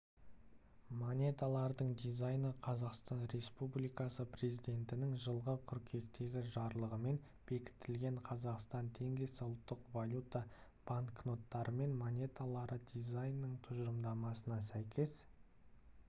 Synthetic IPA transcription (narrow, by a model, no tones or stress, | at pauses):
monʲe̞t̪alˠɑɾd̪əɴd̪ijzajnəqʰɑzɑqst̪ɑnɾe̞spublijkɑsəpre̞zijd̪ʲe̞nt̪ɪnɪŋʒəlˠʁəkʲʰʏɾkʲʰe̞kt̪e̞ɡʲɪʒɑɾlˠəʁəme̞n | b̥e̞kʲɪ̥t̪ːɪlɡʲe̞ɴqʰɑzɑqst̪ɑnt̪ʰe̞ŋɡʲe̞sɪʊlˠt̪ːəqvalʲut̪a | b̥aŋkno̞t̪ːɑɾʔəme̞nmonʲe̞t̪alˠɑɾəd̪ʲijzajnːəɴt̪ʰʊʒəɾəmd̪ɑmɑsənɑsæjkʲʰe̞s